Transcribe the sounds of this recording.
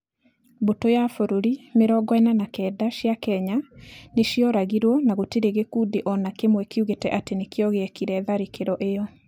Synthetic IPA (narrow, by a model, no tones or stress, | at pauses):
botojafoɾoɾimeɾɔɡɔɛnanakɛːdaʃjakɛɲaneʃjɔɾaɣiɾwɔnaɣotiɾeɣekudeʔɔnakemwɛkeuɣetɛ̰ʔatenekeɔɣeɛkiɾɛðaɾikeɾɔʔejɔ